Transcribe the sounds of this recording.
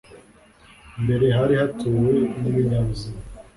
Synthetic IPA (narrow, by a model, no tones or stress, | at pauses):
mbe̞ɾe̞ɦaɾihatʰuːwe̞niβiɲaβzi